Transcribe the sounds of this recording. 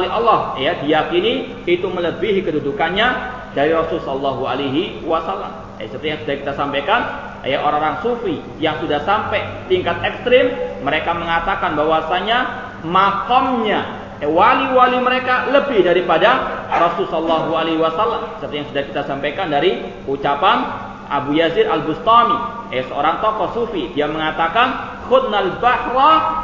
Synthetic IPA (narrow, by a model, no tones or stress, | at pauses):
liʔɔlːɔhjadijakini | it̪umələbiɦikədudukanɲa | daɾiɾɔsʊlsɔləlːɔɦua̰leɦiwasalːa̰m | ja̰səpərt̪ijaŋsudahkit̪asampajkan | jaʔoɾaŋoɾaŋsufi | jaŋsudahsampɛt̪iŋkat̪̚ɛkst̪ɾɪmːəɾekaməŋat̪akanbawasaɲa | makɔmɲa | waliwaliməɾekaləbɪhdaɾipadarɔsʊlsɔlːaɦualeɦwasalːamsərt̪ajaŋsudahkit̪asampajkandaɾi | ut͡ʃapan | ʔa̰bujaziɾalbust̪ɔmi | asəo̰ɾaŋt̪ɔkɔsufidiaməŋat̪akan | hʊt̪̚nalbahrɔ